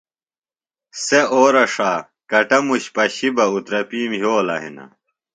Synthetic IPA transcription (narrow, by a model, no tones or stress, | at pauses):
seoːɾɐʂaː | kɐʈɐmuɕpɐɕibɐut̪ɾɐpiːmɦoːlɐ̰ɦḭnɐ̰